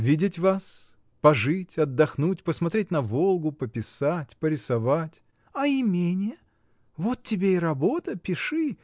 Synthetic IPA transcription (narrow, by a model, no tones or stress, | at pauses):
vʲidʲɪtʲvas | pɐʐɨtʲɐd̪ːɐxnutʲpəsmɐt̪ɾʲet̚ʲnɐvolˠɡʊpəpʲɪsatʲpəɾʲɪsɐvatʲ | ɐɪmʲenʲɪjə | vo̞t̪̚tʲːɪbʲeɪɾɐbo̞t̪əpʲɪʂɨ